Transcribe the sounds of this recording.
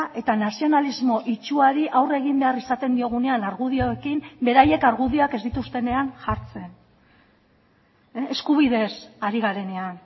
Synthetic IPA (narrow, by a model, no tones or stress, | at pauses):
ʔe̞t̪anasio̞nalizmo̞ʔit͡ʃuaɾiʔawre̞ɣ̞imbe̞arisat̪e̞nd̪io̞ɣ̞une̞anaɾɣuðioekimbe̞ɾaje̞kaɾɣuðioake̞zd̪it̪ust̪e̞ne̞anʝaɾt͡se̞n | eskuβ̞iðe̞saɾiɣaɾe̞ne̞an